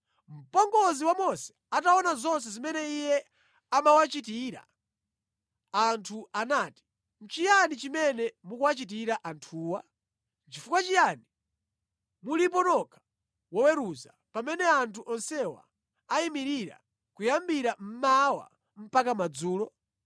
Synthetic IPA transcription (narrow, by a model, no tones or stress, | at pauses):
m̩pɔŋɡɔziwamɔsɛ̥ | ataɔnazɔns̬ɛzimɛnɛijɛ | amawat͡ʃitiɾa̰ | antʰuʔanaːti̥ | m̩t͡ʃijanit͡ʃimɛnɛmukuwat͡ʃit̬iɾaʔantʰuːwa | t͡ʃifukwat͡ʃijani | mulip̬ɔnɔkʰḁ | wɔwɛɾuza̰ | pamɛnɛantʰuʔɔnsɛwa̰ː | imiɾiɾa̰ | kujambiɾam̩mawa̰ | m̩pakamad͡zuːlɔ